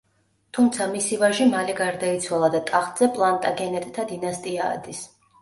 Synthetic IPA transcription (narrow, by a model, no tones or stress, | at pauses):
t̪ʰumt̪sʰamisivaʒimaliɡaɾd̪ait̪sʰwalˠad̪at̪ʼaχd̪zɛpʼlˠant̪ʼaɡɛnɛt̪ʼt̪ʰad̪inast̪ʼia̰ːd̪is